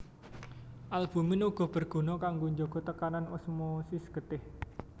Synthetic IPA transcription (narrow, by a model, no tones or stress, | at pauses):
ʔalb̥ṳmɪnuɡ̥ɔ̤b̥ə̤rɡ̥o̤nɔkaŋɡoɲd͡ʒoɡ̥ɔt̪əkananosmosisɡ̥ət̪ɪh